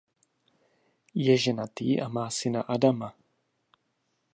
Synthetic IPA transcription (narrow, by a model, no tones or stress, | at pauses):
jɛʒɛnat̪iːʔamaːsɪnaʔadama